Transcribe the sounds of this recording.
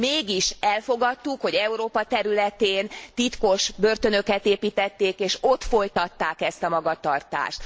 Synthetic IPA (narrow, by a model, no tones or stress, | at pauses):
meːɡiʃɛlfo̞ɡɒt̪ːukho̞ɟɛuɾoːpɒt̪ɛɾylɛt̪eːnt̪it̪ko̞ʃbø̞rt̪ø̞nøkɛt̪eːpiːt̪ɛt̪ːeːkeːʃo̞t̪fo̞jt̪ɒt̪ːaːkɛst̪ɒmɒɡɒt̪ɒrt̪a̰ːʃt̪